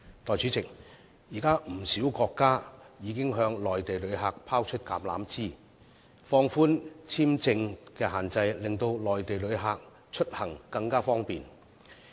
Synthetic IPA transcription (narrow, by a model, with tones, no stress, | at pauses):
t̪ɔː˨jt͡ʃʰy˨˥t͡sʰɪ˨˩k̚ | jiː˨˩kaː˥m̩˨˩siː˨˥wkɔː˧kːaː˥jiː˨˧kɪ˥ŋɦœː˧ŋlɔː˨˩jt̪e˨jlɵ˨˧˥ɥɦaː˧k̚pʰaː˥wt͡ʃʰɵ˥t̚kaː˨˧mla̰ː˨˥mt͡siː˥ | fɔː˧ŋfuː˥nt͡sʰiː˥mt͡sɪ˧ŋkɛː˧ɦaː˨˩nt͡sɐ˧jlɪ˨˩ŋt̪o˧wlɔː˨˩jt̪e˨jlɵ˨˧˥ɥɦaː˧k̚ | t͡ʃʰɵ˥t̚hɐ˨˩ŋkɐ˧ŋkaː˥fɔː˥ŋpiː˨n